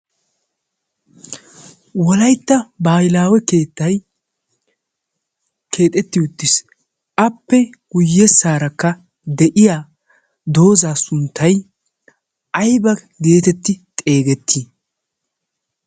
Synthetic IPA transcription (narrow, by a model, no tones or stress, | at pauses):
wɔlɐjt̪ːɐbaːjɪlaːwɛkeːt̪ːɐj | kʰe̞ːt̪ʼɛt̪ːɪʊt̪ːɪs | ʔɐpːɛ | ɡ̥ʊjːɛsːaːɾɐkːɐ | d̪ɛʔɪjaː | d̪o̞ːzaːsʊnt̪ʰːɐj | ʔɐjbɐ | ɡe̞ːt̪ɛt̪ːɪt̪ʼe̞ːɡɛt̪ʰːi